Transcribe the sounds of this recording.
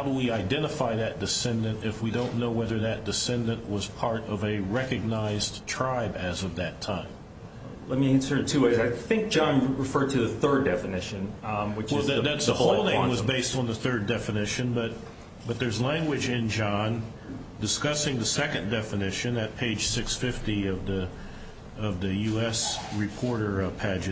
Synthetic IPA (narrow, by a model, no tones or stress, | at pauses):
haʊɾəwiaɪdɛ̃ɾ̃əfaɪðɨt̚d̥ɨsɛ̃ndɨ̃ntɨfwidõʊ̃nːoʊwɛðə˞ðɨt̚d̥ɨsɛ̃ndɨ̃nʔwʌz̥pʰɑɹɾʌvɨɹɛkɨɡ̚naɪztʰɹ̥aɪbɨzʌvðɨtʰãɪ̃m | lɛt̚miɨ̃nsə˞tʰʉweɪzaɪθɪ̃ŋk̚d̥ʒ̥ɑ̃nɹɨfɜ˞d̚tʰɨðɨθɜ˞dɛfɨnɪʃɨ̃nwɨt͡ʃwɛlˠðɨðætsðəoʊlˠnẽɪ̃mwʌzbeɪstn̩ðɨθɜ˞dɛfɨnɪʃɨ̃nbʌt̚ | b̥ʌt̪̚ðə˞zlæ̃ŋɡwɨd͡ʒɪ̃nd͡ʒɑ̃n | dɨskʌsɪ̃ŋðɨsɛkɨ̃ndɛfɨnɪʃɨ̃nɨt̚pʰeɪd̥ʒ̥sɪksfɪftiʌvðɨ | ʌvðɨjʉɛsɹɨpʰɔɹɾə˞pʰæd͡ʒɨ